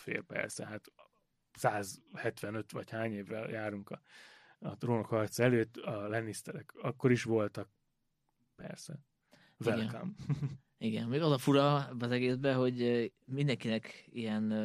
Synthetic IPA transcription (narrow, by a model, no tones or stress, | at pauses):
fḛːrpɛ̰rsɛ̰ɦat̪ | saːzhɛt̪ʋɛnø̞t̪ʋɒchaːɲeːvːɛ̰ljaːɾuŋkɒ | ɒt̪roːnokhɒrt̪sɛløːt̪ːɒlɛnːist̪ɛɾɛkɒkːo̞ɾiʃʋo̞lt̪ɒk̚ | pɛ̰rsɛ | vɛlka̰m | iɡɛ̰nmeːɡɒzɒfuɾɒbɛɒzɛɡeːzbɛɦo̞ɟmind̪ɛŋkinɛkijɛn